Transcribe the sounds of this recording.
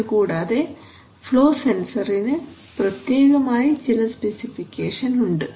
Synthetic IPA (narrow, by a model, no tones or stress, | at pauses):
kuːɽaːðe | ploːsensɐɾinɨ | pɾɐt̪jeːɡɐmaːjid͡ʒɛlɐspesifikːeːʂɐnuɳɖɨ